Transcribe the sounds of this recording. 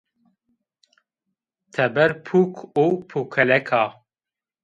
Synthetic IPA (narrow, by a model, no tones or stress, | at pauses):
t̪ʰɛbɛɾpʰuːkʰoːpʰukʰɛlɛkʰaː